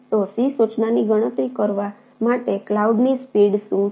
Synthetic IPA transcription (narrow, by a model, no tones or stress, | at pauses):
t̪osisut͡ʃnaniɡəɽ̃ət̪ɾikəɾʋa | maʈeklauɖnispiɽsũ